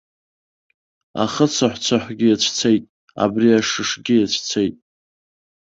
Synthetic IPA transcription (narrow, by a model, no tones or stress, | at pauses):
a̰χət͡sʰaħʷt͡sʷʰaħʷɡʲɪjat͡ɕʷʰt͡sʰejtʼ | a̰briaʂɨʂɡʲɪjat͡ɕʷʰt͡sʰejtʼ